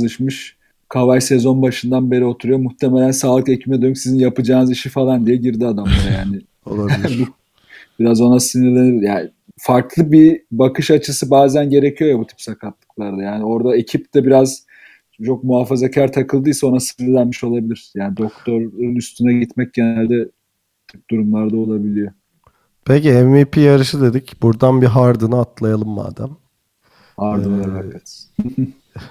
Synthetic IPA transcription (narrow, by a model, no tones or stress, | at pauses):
lˠɯʃmɯʃ | kʰavajsezo̞nbaʃɯnd̪anbe̞ɾio̞t̪ʰuɾujo̞muht̪ʰe̞melʲænsaːlˠɯke̞cʰibimɛd̪øysizinjapɯd͡ʒaːnɯziʃifalˠand̪ijɛɟiɾd̪iad̪amlˠaɾajaːnɪ | bu | b̥iɾazo̞nasɯnɯɾlʲeniɾjaːnɪ | faɾklˠɯbibakʰɯʃat͡ʃʰɯsɯbaːzænɟe̞ɾecʰijo̞jabut̪ʰi̥psakʰat̪lˠɯ̥klˠaɾd̪ajaːnɪo̞ɾd̪ae̞cʰip̚d̪ɛbiɾaz | t͡ʃʰo̞k̚muɦaːfazacʰaɾt̪ʰakʰɯlˠd̪ɯjsao̞nasɯnɯlʲænmiʃo̞lˠabilʲiɾ̥jaːnid̪o̞kt̪ʰo̞ɾunyst̪ʰynaɟit̪mɛc̚ɟe̞nælʲd̪ɛ | t̪ʰyp̚d̪uɾumlˠaɾd̪ao̞lˠabilʲijo | pʰeciɛnvipʰijaɾɯʃɯd̪e̞d̪icbuɾd̪anbiɦaɾd̪ɯnɯat̪lˠajalˠɯmːa̰ːd̪æm | haɾd̪ɯoaɾavɛt̪h